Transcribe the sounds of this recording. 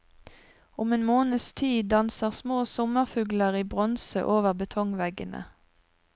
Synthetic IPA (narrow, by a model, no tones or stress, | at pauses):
ʊmeːnmoːnəst̪ʰiːd̪ɑnsəʁsmoːsɔməʁfʉːɡləʁiːbʁɔnsə̰ʔoːʋəʁbət̪ʰɔŋʋɛɡənə̰